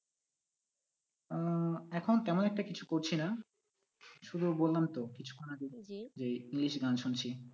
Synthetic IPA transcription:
ɛkʰont̪ɛmonɛk̚ʈakit͡ɕʰukoɾt͡ɕʰina | ʃud̪ʱubolːamt̪okit͡ɕʰu̥konaɡid͡ʑeiŋliʃɡanʃunt͡ɕʰi

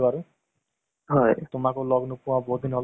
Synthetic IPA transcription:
baɾu | ɦɔjt̪ʊmakulɔɡnupuwãbɔɦut̪̚d̪inɦɔl

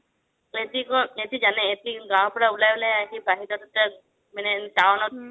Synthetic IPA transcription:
et̪ikɔet̪id͡ʒanɛet̪iɡãw̃pɔɽaulajblajaɦibaɦitɔt̪ɔta | manɛdawnɔ

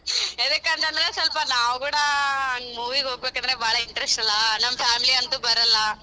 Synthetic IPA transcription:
ɛðɯkːɐnd̪ɐnd̪ɪɾesɐlpaːnaːʋkuːɽɐmuːʋikoːɡɐbeːkːɐnd̪ɾebaːɭɐɪɳʈɾɛsʈɐlːanɐmːɐfaːmɪliɐnd̪ũbɐɾɐlaː

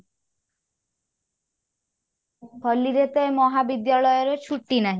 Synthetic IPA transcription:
bʰʱɔliɾet̪ɔemɔɦabid̪jaɭɔjɔɾet͡ʃʰuʈːinaɦĩ

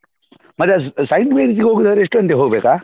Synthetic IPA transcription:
mɐt̪ːɐsɐjɳɖʋejɾiːt̪̬iɡeɦoːɡud̪ɐʋɐɾeeʂʈːuɐnt̪eɦoːɡbeːkaː

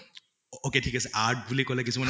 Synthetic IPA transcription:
okeʈʰikasɛʔaɹʈ̚bulikolɛkisuman

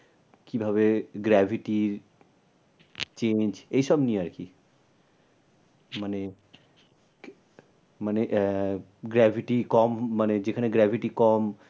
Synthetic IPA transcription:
kibʱaβeɡɾɛbʱiʈiɾ | t͡ɕend͡ʑejʃɔbnieaɾki | mane | maneʔ | ɡɾɛbʱiʈikɔmːaned͡ʑekʰaneɡɾɛbʱiʈikɔm

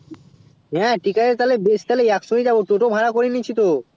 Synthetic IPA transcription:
ɦɛ̃ʈikaeɾt̪alebest̪alejaksoɦid͡ʑaboʈoʈobʱaɾakoɾinit͡ɕʰit̪o

